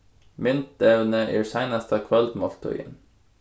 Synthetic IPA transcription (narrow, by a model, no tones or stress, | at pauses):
mɪnt̪̚d̪ɛʋnəʔḭːɹsæɪnɑst̪ʰɑkʰʋœld̪mɔlt̪ʰɔ̰ʏə̰n